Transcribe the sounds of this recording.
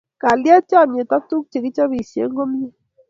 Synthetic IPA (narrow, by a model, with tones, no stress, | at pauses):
ka˨lja˦t͡ʃa˦˨mje˨ta˦tu˦k̚t͡ʃe˨ki˦t͡ʃa˦βi˨sḛ˨˦ŋɡo˦m˦ɲe˦